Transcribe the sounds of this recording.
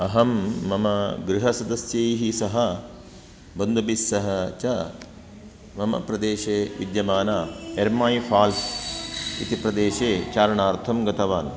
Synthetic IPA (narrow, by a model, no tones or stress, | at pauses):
ɐɦɐmːɐmɐɡɾiɦɐsɐd̪ɐsjɐjɦisɐɦɐ | bɐnd̪ɐbisːɐɦɐt͡ʃɐ | mɐmɐ̰pɾɐd̪eːʃeːʋḭd̪jɐmaːnaːeɾmaːjifʰaːls | it̪ipɾɐd̪eːʃeːt͡ʃaːɾɐɳaːɾt̪ʰɐmɡɐt̪ɐʋaːn